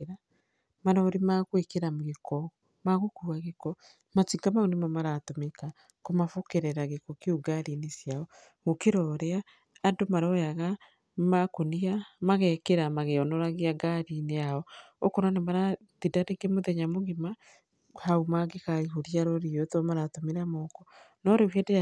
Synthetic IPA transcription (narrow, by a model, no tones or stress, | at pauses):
ɾa | maɾɔːɾimakwekeɾamɣekɔ | maɣokuːaɣekɔ | mat͡ʃiŋɡamaunemamaɾatomeka | komafokeɾɛɾaɣekɔkeuɡaɾinesjaɔ | ɣokeɾɔːɾeaː | domaɾɔjaɣa | makoniamaɣɛkeɾamaɣeɔnɔɾaɣeaɡaɾineaɔ | okoɾanemaɾa | tidaɾeɡemoðɛɲamoɣema | haumaɡekaiɦoɾiaɾɔɾiotɔmaɾatomeɾamɔkɔ | nɔɾewɛde